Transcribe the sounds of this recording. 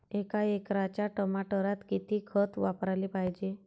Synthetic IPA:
ekaekɾat͡ɕjaʈəmaʈəɾat̪kit̪ikʰət̪ʋapɾalipajd͡ʑe

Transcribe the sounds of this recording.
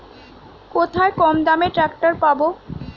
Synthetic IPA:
kot̪ʰaekɔmd̪ameʈɾakʈaɾpabo

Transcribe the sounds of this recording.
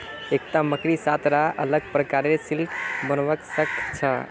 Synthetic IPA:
ek̚ʈaməkɾisat̪ɾaʔə̰ləɡ̚pɾəkaɾesilkbənʋəksəkʰt͡ʃʰə̰

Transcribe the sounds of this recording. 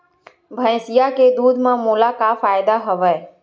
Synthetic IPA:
bʱə̃jsɪjaked̪uːd̪ʱmãmʊlakafaːɪd̪aɦəʋaj

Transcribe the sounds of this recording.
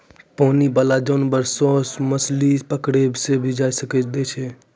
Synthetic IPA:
poːnibalad͡ʒɔːnbəɾsɔːsməslipəkɽebʱsebʱid͡ʒaːsəkɛt͡ʃd̪et͡ʃʰɛ

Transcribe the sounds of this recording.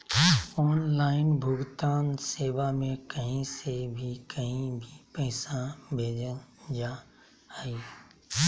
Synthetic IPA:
ɔːnlaːɪnbʱʊɡt̪aːnseːʋamẽkəɦĩsebʱikəɦĩbʱipəɦɪsãbʱeːd͡ʒənd͡ʒaː | hiː

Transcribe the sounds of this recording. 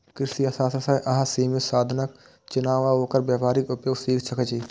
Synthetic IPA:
kɪɾsiasaːsɾsɐʔɐɦãsiːmisaːd̪ʱnək̚ | t͡ʃʊnaːʋaɦoːkəɾbjaːʋaːɾɪkʊpjoːɡsiːkt͡ʃʰɐkət͡ʃʰiː

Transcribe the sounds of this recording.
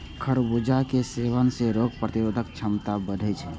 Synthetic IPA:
kʰəɽbud͡ʒakeseːʋənseɾoːɡ̚pɾət̪iɾoːd̪ʱək̚t͡ʃʰəmt̪abəd̪ʱət͡ʃʰɛ

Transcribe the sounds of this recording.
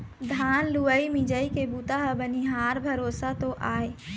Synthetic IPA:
d̪ʱaːnluəimid͡ʒəikebut̪aɦəbəniɦaːɾbʱəɾoːsat̪oʔaːe

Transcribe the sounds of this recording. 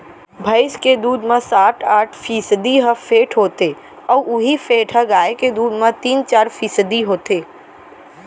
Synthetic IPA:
bʱəɪsked̪uːd̪mẽsaːʈʰaːʈʰfʰiːsəd̪iɦəfʰeːʈʰɦoːt̪eː | ɔːʔʊɦifʰeːʈʰɦəɡaːeked̪uːd̪mẽt̪iːnt͡ʃaːɾfʰiːsəd̪iɦoːt̪eː

